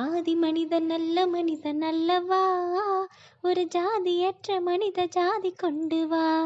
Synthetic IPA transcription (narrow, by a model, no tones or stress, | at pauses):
aːðimɐnɪðɐnɐlːɐmɐnɪðɐnɐlːɐʋaː | ɔɾɯd͡ʒaːðiɛʈrɐmɐnɪðɐd͡ʒaːðikɔɳɖɯʋãː